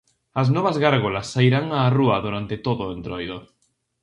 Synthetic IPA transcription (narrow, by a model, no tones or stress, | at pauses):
aznɔβ̞azɣaɾɣolasːaiɾaŋaːruaðuɾant̪et̪oðoẽnt̪ɾojðo